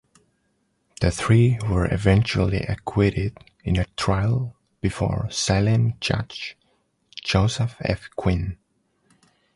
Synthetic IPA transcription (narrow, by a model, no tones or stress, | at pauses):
ðɨθɹiwə˞ʔɪ̰vɛ̃nt͡ʃul̩ˠḭʔɨkʰw̥ɪɾɪd | ɪ̃nɨtʰɹ̥aɪlˠ | b̥ɨfɔ̰ɹsaɪlɨ̃nd͡ʒʌ̰t͡ʃ | d͡ʒoʊsəfɛ̰fkʰw̥ĩn